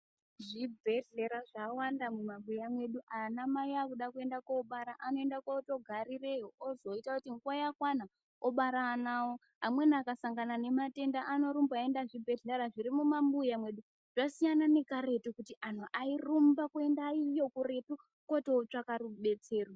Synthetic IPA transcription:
ʐibʱe̞ɮeɾaʐawandamumambujamwe̞ɗuʔanamaiakuɗakue̞ndakwaɓaɾaʔano̞endakato̞ɡʱarire̞joozo̞itakutiŋɡwojakwana | oɓaɾanawo | ɦamwe̞nakasaŋɡanane̞mate̞ndaʔano̞ɾumbaendaʐibʱe̞ɮeɾaʐiɾimumambujamwe̞ɗu | ʐ̥asijanane̞kare̞tukutiʔan̤uʔairumbakue̞ndaijokure̞tu | koteot͡ʂakaruɓe̞t͡se̞ːro

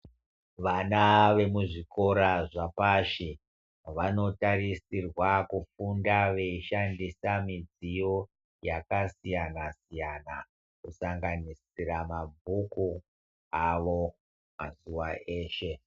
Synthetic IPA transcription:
ʋanaʋe̞muʐiko̞ɾaʐapaʃi | ʋano̞tarisirwakufundaʋe̞iʃandisamid͡zijo | jakasijanasijana̰ | kusaŋɡanisiɾamabʱuku | aʋo̞ | mazuʋaʔe̞ːʃe̞

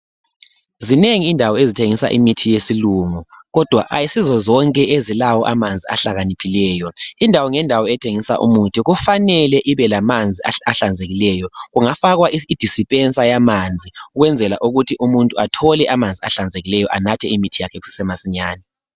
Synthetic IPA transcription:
zineŋiːndʱawɔezitʰeŋisa̰ʔḭmitʰijesiluŋuɣɔd̥ʱwa̰ʔa̰jisizɔzɔŋkʼɛʔezilawɔʔamand͡zʱia̰ɬaɣanipʰilɛːjɔindʱawɔŋɛndʱawɔɛtʰeŋisa̰ʔṵmutʰiɣufanɛlɛʔiβɛlamand͡zʱia̰aɬand͡zʱeɣilɛjɔɣuŋafaɣwaiid̥ʱisipʼɛnsʼajamand͡zʱiuɣwɛnd͡zʱɛla̰ʔuɣutʰiʔumuntʼuatʰɔlɛʔamand͡zʱiaɬand͡zʱeɣilɛjɔʔanatʰɛimitʰijakʰɛɣusi̥sɛmasiɲaːnɛ

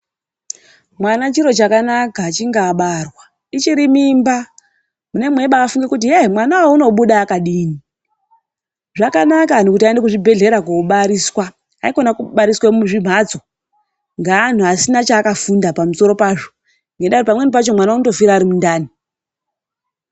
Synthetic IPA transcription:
mwanat͡ʃiɾo̞t͡ʃakanakaːt͡ʃiŋɡaːɓarwa | it͡ʃiɾimimba | mune̞mwe̞ɓaːfuŋɡe̞kut̬iemwanawouno̞ɓuɗaːkaɗiːni | ʐakanakanokutiaendekuʐibʱe̞ɮe̞ɾakouɓaɾiswa | aiko̞nakuɓaɾiswamuʐim̤aːd͡zo̞ | ŋɡaːn̤uasinat͡ʃaːkafundapamuso̞ɾo̞paʐo | ŋɡendaɾipamwe̞nip̬at͡ʃo̞mwanaunoto̞fiɾaːɾimundaːni

